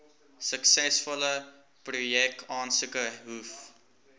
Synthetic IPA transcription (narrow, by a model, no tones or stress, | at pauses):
səksɛsfɔlə | prujɛk̚ɑːnsəkəɦuf